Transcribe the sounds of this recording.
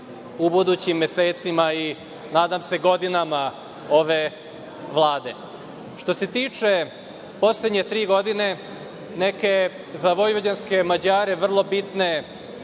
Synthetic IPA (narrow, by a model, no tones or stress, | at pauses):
ubud̪ut͡ɕimːjeseːt̪simai | naːd̪amse̞ɡo̞d̪inama | o̞ʋe̞ | ʋlˠaːd̪e̞ | ʃt̪o̞se̞t̪iːt͡ʂe̞ | po̞sled̪ɲe̞t̪ɾiːɡo̞d̪ine̞ | neke̞ | zaʋo̞jʋod͡ʑanske̞mad͡ʑaːɾe̞ʋr̩lˠo̞bit̪ne̞